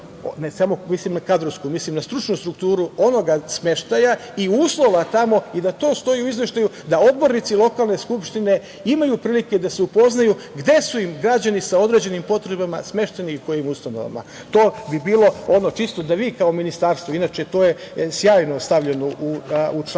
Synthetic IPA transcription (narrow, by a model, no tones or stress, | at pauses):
nesamo̞mislimnakad̪ɾoskumislimnast̪ɾut͡ʃnust̪ɾukt̪uːɾuo̞no̞ɡasme̞ʃt̪ajaiuːslˠo̞ʋat̪amo̞id̪at̪o̞ːst̪o̞iuizʋe̞ʃt̪aju | d̪aod̪bo̞ɾnit̪silˠo̞kaːlˠne̞skupʃt̪ine̞ | imajupɾiːliked̪aseupo̞znaju | ɡd̪e̞suimɡɾad͡ʑanisao̞d̪ɾe̞d͡ʑe̞nimpo̞t̪ɾe̞bama̰sme̞ʃt̪eniuko̞jimust̪ano̞̰ʋa̰ma̰ | t̪o̞ːbibiːlˠo̞o̞no̞t͡ʃist̪od̪aʋiːkao̞minist̪aːɾst̪ʋoinaːt͡ʃet̪o̞ːjesjaːjno̞st̪aʋʎenoʔuu